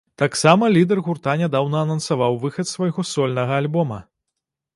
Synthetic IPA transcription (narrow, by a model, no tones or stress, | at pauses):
t̪aksamɐlʲid̪ɛrɣurt̪anʲad̪awnɐːnɐnsavawvɨxɐt̪svɐjɣɔsɔlʲnɐɣɐːlʲbɔmɐ̰